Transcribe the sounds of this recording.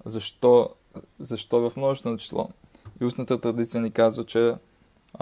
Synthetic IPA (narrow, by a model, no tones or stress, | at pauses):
zɐʃt̪ɔ | zɐʃt̪ɔvɐfmnɔst̪ot͡ʃi̥slˠɔ̰ | iusnət̪ət̪ɾɐd̪it̪sijənikazvət͡ʃɛ